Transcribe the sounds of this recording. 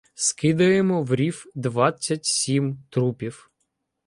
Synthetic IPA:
skɪd̪ɐjemɔwɾʲifd̪ʋɑt͡sʲːɐtʲsʲimt̪ɾupʲiw

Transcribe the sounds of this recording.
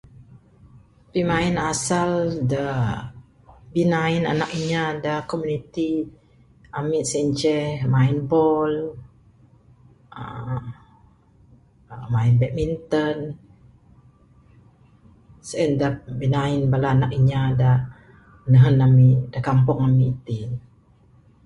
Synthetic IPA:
pimainasalda | binaina̰nakiɲadakomunit̪i | amiʔ̪sɛɲt͡ʃɛhmaɪnbɔl | ə̰ | mainbɛk̚mint̪ən | səʔɛndabinaɪnbalaːnakiɲada | ənəɦənamiʔdakampɔŋamiʔːt̪i

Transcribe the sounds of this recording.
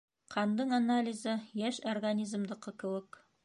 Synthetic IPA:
qʰɑnd̪ɤɴanalʲɪzɤjæʃorɡanʲizmd̪ɤ̆qːɤkɘ̆wɘk

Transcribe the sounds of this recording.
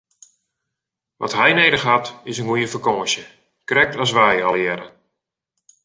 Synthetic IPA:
ʋɑ̰tɦɛjnejdəχɦatɪsənɡujəfəkɔːʃjə | krɛk̚tɔsʋɛjɑlɛɾə

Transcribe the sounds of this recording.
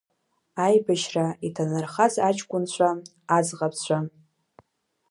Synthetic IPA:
ajbaʃraitʰanarχazat͡ʃʰʼkʷʼʊnt͡ɕʷʰa | ad͡zqʼapʰt͡ɕʷʰa

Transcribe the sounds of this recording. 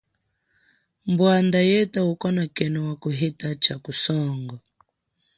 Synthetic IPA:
mbwand̪ajɛtaukɔnakɛnɔwakuɦɛtat͡ʃakusɔŋɡɔ

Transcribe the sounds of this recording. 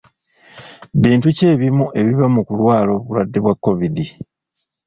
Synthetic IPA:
βiːntuce̞ːβimuʔe̞βiβamukulwaːlo̞ːβulwadːe̞βwakːo̞βidi

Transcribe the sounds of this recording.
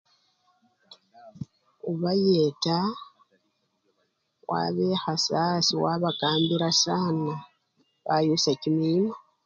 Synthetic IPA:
uβajeːta | wʔa̰βehasaːsiwaːβakaːmbiɾasaːna | βajusacimima

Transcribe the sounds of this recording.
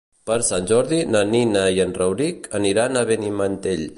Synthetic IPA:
pəɾsanʲʒɔɾðinaninajənrəwɾikəniɾanaβenimant̪eʎ

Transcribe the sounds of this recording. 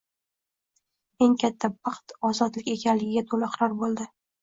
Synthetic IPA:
e̞ŋkʲʰat̪ʰːabɑqt̪ɒzɒt̪lɪkʲe̞kʲʰanlɪɡʲɪɡʲat̪ʰolɪqʰɾɒɾbolˠd̪ɪ

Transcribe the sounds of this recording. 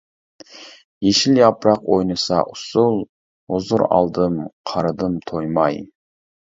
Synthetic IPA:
jeʃɪljɑpɾɑqojnɨsɑ̰ʔʊsʊlˠ | ozʊɾɑ̰lˠd̪ɨmqʰɑɾd̪ɨmt̪ʰojmɑj

